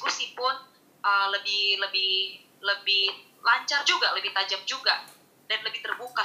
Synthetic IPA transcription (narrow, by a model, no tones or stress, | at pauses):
kusipʊn | ʔələbɪhləbɪh | ləbɪh | laɲt͡ʃard͡ʒuɡaləbɪht̪ad͡ʒap̚d͡ʒuɡa | danləbɪht̪ərbuka